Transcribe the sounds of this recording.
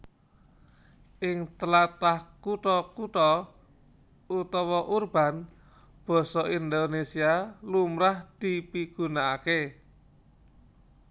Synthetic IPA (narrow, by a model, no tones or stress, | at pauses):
ʔɪŋt̪əlat̪ahkuʈ̪ɔkut̪ɔ | ut̪ɔwɔʔurb̥a̤n | b̥ɔ̤sɔʔind̪onesialumɾahd̪̥i̤piɡ̥ṳnaake